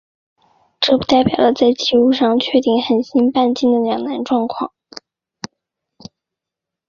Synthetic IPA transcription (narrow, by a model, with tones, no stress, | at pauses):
ʈ͡ʂɤ˥˩pu˧˥t̪a˥˩ɪpjɑ˨˩ʊlə˦t͡sa˥˧ɪt͡ɕi˥˧u˥˧ʂɑ˥˧ŋt͡ɕʰɥɛ˥˧t̪i˥˩ŋxə˨˩nɕi˥npa˥˧nt͡ɕi˥˩ŋd̪ə˩ljɑ˨˩ŋna˧˥nʈ͡ʂwɑ˥˧ŋkʰwɑ̰˥˩ŋ